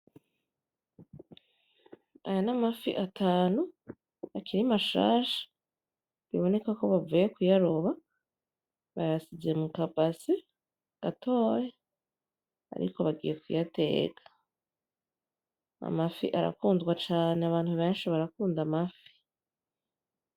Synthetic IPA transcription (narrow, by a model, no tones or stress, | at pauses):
a̰jonamafḭʔatʰaːnu | akʰiɾimaʃa̰ːʃḁ | βiβo̞ne̞kako̞βavuje̞kwujaɾoβa | βajasize̞mukabasi | ɡ̥ato̞ːje | a̰ɾḭkʰo̞βaɡije̞kijate̞̰ːɡḁ | a̰mafḭʔaɾa̰kuːnzɡwat͡ʃaːneaβaːn̥huβeːnʃiβaɾakuːndamafi̥